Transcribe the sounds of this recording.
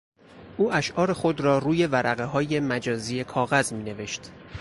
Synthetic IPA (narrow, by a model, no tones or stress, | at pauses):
ʔuːʔæʃʔɒːɾe̞xo̞d̪ɾɒːɾuːje̞væɾʔæɣeɦɒːje̞mæd͡ʒɒːziːje̞kʰɒːɣæzmiːne̞ve̞ʃt̪